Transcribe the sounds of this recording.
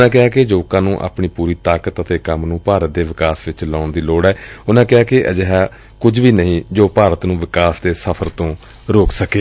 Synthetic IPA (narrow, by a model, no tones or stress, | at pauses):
nãːk̬ɪaːked͡ʒoːkãːnũːʔa̰ːpɳiːpuːɾiːt̪aːkət̪ət̪eːkəmnũːpaːɾət̪̚d̪eːʋɪkaːsʋɪt͡ʃlaːɳd̪iːloːɽɛːʊnãːkɪaːkeʔəd͡ʒəɦaː | kʊd͡ʒʋiːnəɦĩːd͡ʒoːpaːɾət̪nũːʋɪkaːsd̪eːsəpʰəɾt̪õː | ɾoːksəkeː